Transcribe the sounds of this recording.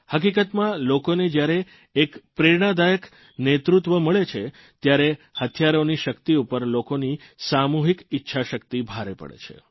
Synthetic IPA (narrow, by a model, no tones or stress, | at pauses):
hək̬ikət̪mãlokoned͡ʒjaɾeː | kpɾeɾɽ̃ad̪ajək | net̪ɾut̪ʋəməɭet͡ʃʰe | t̪jaɾehət̪ʰjaɾoniʃəkt̪iupəɾlokonisamuɦikitːʃʰaʃək̚t̪ibʱaɾḛpə̰ɭḛt͡ʃʰḛ